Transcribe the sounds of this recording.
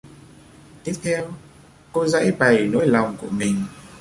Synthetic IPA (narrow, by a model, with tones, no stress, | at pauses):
t̪i˦˥əp̚t̪ʰɛ˧w | ko˧zə̰˧˥jɓa˨˩jno̰˧˥jla˨˩wŋ͡mku˧˩əmï˨˩ŋ̟